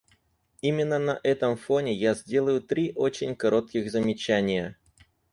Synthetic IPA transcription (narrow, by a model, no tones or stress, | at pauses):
imʲɪnːənɐʔɛt̪əmfo̞nʲɪjazʲdʲe̞lˠəjʊt̪ɾʲiʔo̞t͡ɕɪnʲkɐɾo̞t̪̚kʲɪɣzəmʲɪt͡ɕænʲɪjə